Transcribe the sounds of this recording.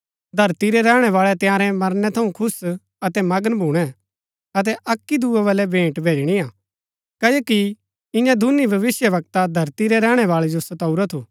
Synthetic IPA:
d̪ʱɐɾt̪iɾɛɾɛːɽ̃ɛʋaːɭɛt̪jãːɾɛmɐɾnɛt̪ʰɐũkʰʊs | ɐt̪ɛmɐɡənbʱuːɽ̃ɛ | ɐt̪̬ɛʔɐkːid̪uɛʋɐlɛbʱẽːʈbʱeːd͡ʒɽ̃iaː | kɐoːki | ɪ̃jãd̪ʱʊnibʱɐʋɪsjəʋɐk̚t̪ad̪ʱɐɾt̪iɾɛɾɛːɽ̃ɛʋaːɭɛd͡ʒosɐt̪ɐuɾɛt̪ʰuː

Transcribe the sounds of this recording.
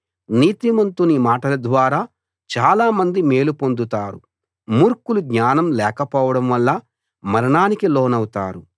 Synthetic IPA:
niːt̪imɐnt̪unimaːʈɐlɐd̪ʋaːɾaː | t͡ʃaːlaːmɐnd̪ime̞ːlupo̞nd̪ut̪aːɾu | muːɾkuluɡɲaːnɐmlɛːkɐpɔːʋɐɽɐmʋɐlːɐ | mɐɾɐɳaːnikiloːnɐwut̪a̰ːɾu

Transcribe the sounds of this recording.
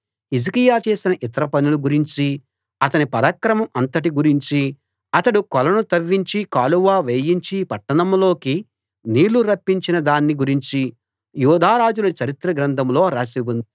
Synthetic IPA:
is̬ikijaːt͡ʃe̞ːsinɐʔit̪ɐɾɐpɐnuluɡuɾiɲt͡ʃi | ɐt̪ɐnipɐɾɐkɾɐmɐmɐnt̪ɐʈ̬iɡuɾiɲt͡ʃi | ɐt̪ɐɽukɔlɐnut̪ɐʋːiɲt͡ʃikaːluʋaːʋeːjiɲt͡ʃipɐʈːɐɳɐmlo̞ːki | niːluɾɐpːiɲt͡ʃinɐd̪aːnːiɡuɾiɲt͡ʃi | juːd̪ʱaːɾaːd͡ʒulɐt͡ʃɐɾit̪ɾɐɡɾɐnt̪ʰɐmlo̞ːɾaːsibund̪i

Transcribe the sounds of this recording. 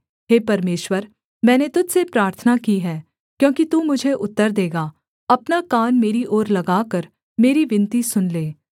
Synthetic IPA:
ɦeːpɐɾmeːʃwəɾ | mɛ̃ːnet̪ʊd͡ʒsepɾaːɾt̪ʰənakiɦɛː | kjõːkit̪uːmʊd͡ʒʱeʔʊt̪ːəɾd̪eːɡaː | ɐpnakaːnmeːɾiʔɔːɾlɐɡaːkəɾ | meːɾiʋɪ̃nt̪isʊnleː

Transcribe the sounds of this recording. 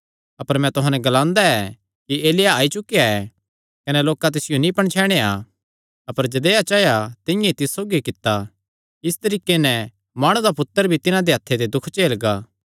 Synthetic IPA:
ɐpəɾmɛ̃t̪ʊɦãnɛɡɐlãːnd̪aɛ | kieːlɪjaaːit͡ʃʊkejaɛ | kɐnɛloːkat̪̬ɪsɪjonĩpɐɳ̃t͡ʃʰɛːɽ̃ea̰ | ɐpəɾd͡ʒɐd̪eːat͡ʃaːjat̪ɪ̃jãit̪ɪsːoːɡikɪt̪ːa | ɪst̪ɐɾiːkenɛ | maːɽ̃ud̪apʊt̪ːəɾbʱit̪ɪnãd̪eɦɐt̪ʰːed̪ed̪ʊkʰt͡ʃeːlɡaː

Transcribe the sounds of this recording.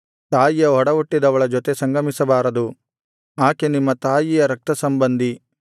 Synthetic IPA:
t̪aːjijɐɦɔɽɐʋoʈːid̪ɐʋɐɭɐd͡ʒɔt̪esɐŋɡɐmisɐbaːɾɐd̪u | aːkenimːɐt̪aːjijɐɾɐk̚t̪ɐsɐmbɐnd̪i

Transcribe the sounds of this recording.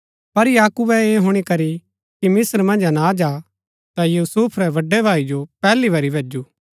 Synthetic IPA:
pɐɾjaːkubɛeːɦʊɽ̃ikɐɾi | kimɪsəɾmɐ̃nd͡ʒnad͡ʒaː | t̪ajuːsuːpʰɾɛʋɐɖːɛbʱaːid͡ʒopɛːlibʱɐɾibʱeːd͡ʒuː

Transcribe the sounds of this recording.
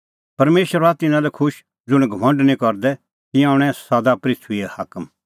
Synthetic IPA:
pɐɾmeːʃəɾat̪ɪnãlɛkʰʊʃ | d͡zʊɽ̃ɡʱɐʋɐ̃ɳɖnĩkɔɾd̪ɛ | t̪ɪjãʊɽ̃ɛ̃sad̪apɾɪtʰiɛhakəm

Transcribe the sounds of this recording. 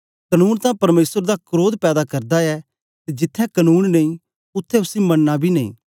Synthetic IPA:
kɐnuːnt̪ãpɐɾmeːsəɾd̪akɾoːd̪pɛːd̪akɐɾd̪aɛ | t̪ed͡ʒɪt̪ʰːɛ̃kɐnuːnnɐĩ | ʊt̪ʰːɛʊsimɐnːãbʱinɐḭ̃ː

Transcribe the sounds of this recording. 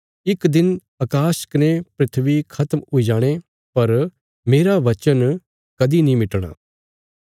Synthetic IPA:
ɪkd̪ɪn | ɐkaːʃə̥knepɾɪt̪ʰʋikʰɐt̪muid͡ʒaːɽ̃e | pɐɾ | meːɾaʋɐt͡ʃən | kɐd̪inĩmɪʈɽ̃a̰ː

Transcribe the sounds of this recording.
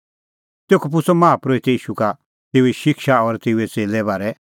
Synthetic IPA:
t̪eːkʰop̬ʊsɔmãːpɾoit̪ɛiːʃuka | t̪eːuiʃɪkʃaɔɾt̪eːuɛt͡seːlɛbaːɾɛ

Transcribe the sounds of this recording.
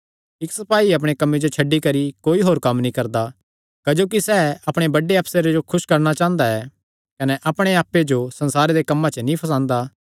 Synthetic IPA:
ɪksɐpaːiɐp̬ɽ̃ekɐmːed͡ʒot͡ʃʰɐɖːikɐɾikoːiɦoːɾkɐmnĩkɐɾd̪a | kɐd͡ʒoːkisɛːɐpɽ̃ebɐɖeɦɐpseɾed͡ʒokʰʊʃkɐɾñat͡ʃãːə̃nd̪aɛː | kɐnɛʔɐpɽ̃eaːpːed͡ʒosɐ̃nsaːɾed̪ekɐmːat͡ʃənĩpʰɐs̬ãːnd̪aː

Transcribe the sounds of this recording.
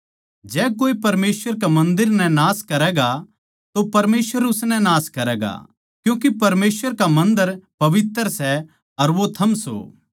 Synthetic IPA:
d͡ʒɛːkoːipɐɾmeːsʋəɾkemɐ̃nd̪ɪɾnɛ̃naːskɐɾɛːɡa | t̪opɐɾmeːsʋəɾʊsnɛ̃naːskɐɾɛːɡa̰ | kjũːkipɐɾmeːsʋəɾkamɐ̃nd̪əɾpɐʋɪt̪ːəɾsɛ | ɐɾʋot̪ʰɐmso̰ː

